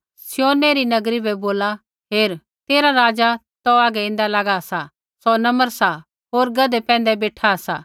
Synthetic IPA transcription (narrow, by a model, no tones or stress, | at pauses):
sɪjoːneɾinɐɡɾibɛboːla | ɦeːɾ | t̪eːɾaɾaːd͡ʒa | t̪ɔaːɡɛɪ̃ːnd̪alaɡasa | sɔnɐməɾsa | ɦoːɾɡɐd̪ɛpɛ̃ːnd̪ɛbeːʈʰasaː